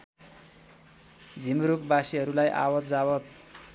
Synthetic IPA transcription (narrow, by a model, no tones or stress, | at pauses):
d͡zʱimɾuk̚basiɦʌɾulajʔa̰wʌt̪̚d͡zawʌt̪̚